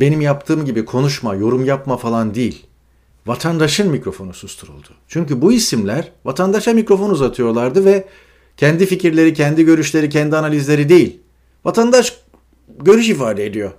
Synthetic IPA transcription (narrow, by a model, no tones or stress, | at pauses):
be̞nimjap̚t̪ʰɯːmɟibikʰo̞nuʃmajo̞ɾumjapmafalˠand̪ijilʲ | vat̪ʰand̪aʃɯnmicɾo̞fo̞nusust̪ʰuɾṵlˠd̪ut͡ʃʰyɲcybuisimlʲæɾ̥vat̪ʰand̪aʃamikɾo̞fo̞nuzat̪ʰɯjo̞lˠaɾd̪ɯvɛ | cʰɛnd̪ificiɾlʲe̞ɾicʰɛnd̪iɟø̞ɾyʃlʲe̞ɾicʰɛnd̪ianalʲizlʲe̞ɾid̪e̞jilʲ | vat̪ʰand̪aʃ | ɟø̞ɾyʃ̬ifaːd̪eed̪ijo̞